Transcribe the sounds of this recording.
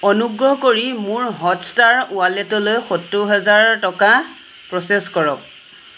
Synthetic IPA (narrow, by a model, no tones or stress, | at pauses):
ɔnuɡɹɔɦkoɹimʊɹɦɔtstaɹualɛtɔlojxotɹʊɦɛzaɹtɔka | pɹɔseskɔɹɔk̚